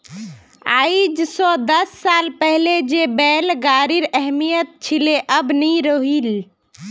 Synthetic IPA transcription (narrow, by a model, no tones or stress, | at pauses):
a̰id͡ʒsɔd̪əsːalpəɦled͡ʒebɛːlɡaɾiɾɛɦmijət̪̚t͡ʃʰileʔəbniɾəɦil